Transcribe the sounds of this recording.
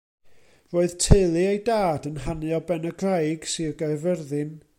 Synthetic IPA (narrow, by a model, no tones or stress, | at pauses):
roːɨð̥tʰɪlˠɨejdaːdənɦanɨɔbɛnəɡrajɡ̥siɡavərðɨn